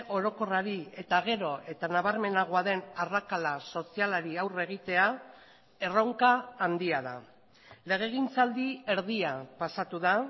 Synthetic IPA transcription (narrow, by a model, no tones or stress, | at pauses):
o̞ɾo̞ko̞raɾie̞t̪aɣ̞e̞ɾo̞e̞t̪anaβaɾme̞naɣoaðe̞narakalaso̞sialaɾiawre̞ɣ̞it̪e̞a | e̞roŋkaːnd̪iaða̰ | le̞ɣ̞e̞ɣ̞int͡sald̪ie̞ɾð̞iapasat̪uða